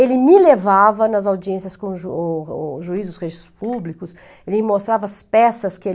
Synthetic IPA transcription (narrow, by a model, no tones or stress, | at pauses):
elɪmɪlevavɐnɐzawd͡ʒiẽsiɐskõʒu | ʒuizʊsʁeʒist̪ʊ̥spublikʊs | elɪĩmost̪ɾavɐspɛsɐskɪe